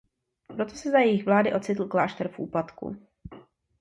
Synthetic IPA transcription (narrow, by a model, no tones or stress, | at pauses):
pɾo̞t̪o̞sɛzajɛjɪxvlaːdɪʔo̞t͡sɪt̪l̩klaːʃt̪ɛɾfʔṵːplat̪kṵ